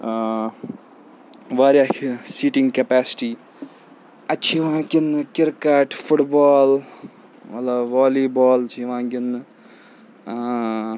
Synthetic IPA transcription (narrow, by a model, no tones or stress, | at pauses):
ʋaːɾjaːsiːʈɪŋɡkepaːsʈiː | ɐt͡ʃʰiʋãːkʲinːɨkɪɾkɐʈfʰʊʈbaːl | mɐt̪lɐbʋaːliːbɔːlt͡ʃʰiʋãːŋkɪnːɨ